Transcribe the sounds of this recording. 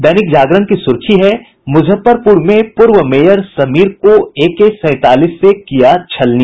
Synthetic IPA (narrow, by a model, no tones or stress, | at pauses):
d̪ɐnɪkd͡ʒaːɡɾənkisʊɾkʰiɦɛ | mʊd͡ʒʱəpːəɾpʊɾmẽpʊɾʋəmeːjəɾsɐmiːɾkoeːkesɛ̃ːt̪aːliːsːekijat͡ʃʰɐlni